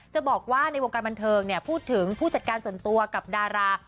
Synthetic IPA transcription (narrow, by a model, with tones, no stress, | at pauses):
t͡ɕa˨˩bɔː˨˩k̚waː˥˩na˧jwo˧ŋkaː˧nba˧nt̪ʰɤː˧ŋni˥˩ɐpʰuː˥˩t̪ʰːɯ˩˦ŋpʰuː˥˩t͡ɕa˨˩t̪̚kaː˧nsu˨˩ənt̪u˧ɐka˨˩p̚daː˧ɾaː˧